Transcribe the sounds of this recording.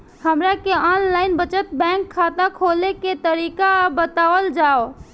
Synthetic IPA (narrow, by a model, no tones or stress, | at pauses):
həmɾakeɔnlaɪnbət͡ʃət̪̚bɛ̃ŋkʰːat̪akʰoleket̪əɾikabət̪awəld͡ʒao